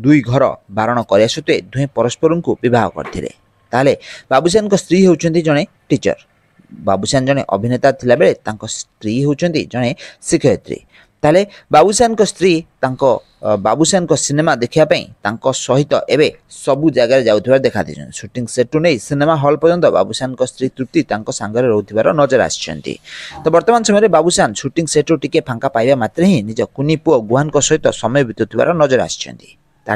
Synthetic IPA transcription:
d̪ujɡʱɔɾɔ̰baɾɔɽ̃ɔkɔɾiasut̪ued̪ʱũẽpɔɾɔspɔɾɔŋkubibʱaɦɔkɔ̰ɾt̪ʰilḛ | t̪aɦelebabusanɔŋkɔst̪ɾiɦewt͡ʃʰɔnt̪id͡ʒɔɽ̃e | ʈit͡ʃɔ̰ɾ | ba̰busand͡ʒɔɽ̃eʔɔ̰bʱinet̪at̪ʰilabeɭet̪aŋkɔst̪ɾiɦewt͡ʃʰɔnt̪ḭd͡ʒɔɽ̃esikʰɔt̪ɾḭ | t̪aɦelebabusanɔŋkɔst̪ɾit̪aŋkɔ | ba̰busanɔŋkɔsinemad̪ekʰibapaḭ̃t̪aŋkɔsɔɦit̪ɔ̰ʔebe | sɔbud͡ʒaɡaɾed͡ʒawt̪ʰibaɾed̪ekʰat̪ʰḭt͡ʃʰɔ̰̃nsuʈiŋseʈunejsinemaɦɔlpɔd͡ʒɔnt̪ɔba̰busanɔkɔst̪ʰɾit̪ɾuk̚t̪it̪aŋkɔsaŋɡɔɾeɾɔut̪ʰibaɾɔnɔd͡ʒɔɾa̰st͡ʃʰɔ̰nt̪ḭt̪ɔbɔɾt̪ɔmanɔsɔmɔjɔɾebabusansuʈiŋseʈuʈikepʰaŋkapajbamat̪ɾeɦĩnid͡ʒɔkunipuɔɡuɦankɔsɔɦit̪ɔsɔmɔjɔbit̪ɔt̪ʰiba̰ɾɔnɔd͡ʒɔɾa̰st͡ʃʰɔ̰nt̪i̥̰ | t̪a

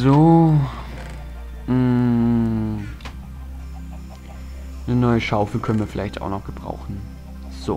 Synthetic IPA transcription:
zoː | m̩ | nənɔʏəʃaʊfl̩kʰœnənviːɐfɪlʔaɪçtaʊxnɔχɡ̥əb̥ʁa̰ʊxn̩ | z̥o̰ː

